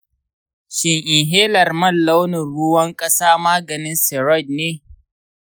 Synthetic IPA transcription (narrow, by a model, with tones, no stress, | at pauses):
ʃɪ˨ŋʔɪ˨ŋɦeː˦lɐ˨rmɐ˦˨lːa˦wnʊ˨ɽʊ˦wɐ˦ŋkʼɐ˦saː˦maː˦ɡɐ˨nɪ˦nsɛ˨ɾɔ˦˨d̚neː˦